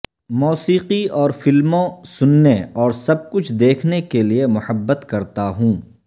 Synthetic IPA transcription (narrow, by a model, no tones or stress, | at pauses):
mɔːsiːqiɔːɾfɪlmõsʊnːeɔːɾsɐb̚kʊt͡ʃʰd̪eːkʰnekeliemʊhəbːət̪kɐɾt̪aɦũː